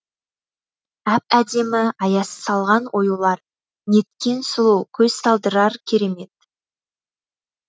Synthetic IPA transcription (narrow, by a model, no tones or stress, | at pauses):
æp̚æd̪e̞mɪɑjɑsə̥sɑlˠʁɑnwʔo̞julˠɑɾ | ne̞t̪kʲe̞nsʊlˠuwkʲʰɵz̥sɑlˠd̪əɾɑɾkʲʰe̞ɾe̞me̞t̪̚